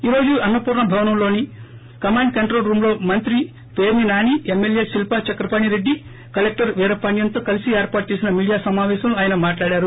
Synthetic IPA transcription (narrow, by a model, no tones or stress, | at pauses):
iːɾo̞ːd͡ʒuɐnːɐpuːɾɳɐbʱɐʋɐnɐmlo̞ːni | kɐmaːɳɖ̚kɐɳʈɾoːlɾuːmlo̞ːmɐnt̪ɾi | peːɾninaːniemːelje̞ːsilpat͡ʃɐkɾɐpaːɳiɾe̞ɖːi | kɐlek̚ʈɐɾʋɛːɾɐpɐɳjɐnt̪o̞ːkɐlisieːɾpaːʈ̚t͡ʃe̞ːsinɐmiːɽijaːsɐmaːʋɛːʃɐmluaːjɐnɐmaːʈlaːɽaːɾu